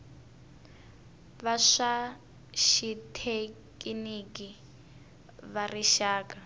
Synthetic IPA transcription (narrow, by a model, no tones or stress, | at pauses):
βaʂa | ʃitʰekʼiniki | βariʃaːka